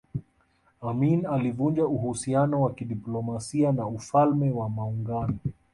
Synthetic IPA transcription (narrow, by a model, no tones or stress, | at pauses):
aminalivund͡ʒauhusianɔwakiɗiplɔmasianaufalmɛwamauŋɡanɔ